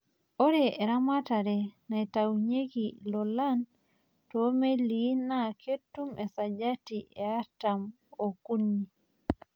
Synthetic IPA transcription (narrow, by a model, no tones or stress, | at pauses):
oɾeeɾamataɾenatawɲeɡilɔlan | tomelinakʰetːumʔesad͡ʒatieatam | okunːi